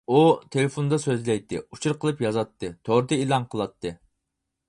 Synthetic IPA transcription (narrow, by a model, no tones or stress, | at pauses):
ut̪ʰelefond̪ɑsøzlɛjt̪ʰːɪ̰ut͡ʃʰuɾqəlˠɨpjɑzɑt̪ʰːɨt̪ʰoɾt̪ɨilˠɑnqʰəlˠɑt̪ʰːɨ